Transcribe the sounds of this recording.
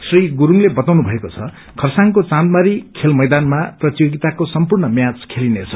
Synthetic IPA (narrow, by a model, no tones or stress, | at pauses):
sriɡuɾuŋlebʌt̪awnubʱʌekot͡sʰʌ̰ | kʰʌrsaŋkot͡sãnd̪̚maɾikʰelmʌjd̪anmaprʌt̪ijoɡit̪akosʌmpurnʌmjãt͡skʰelinet͡sʰʌ̥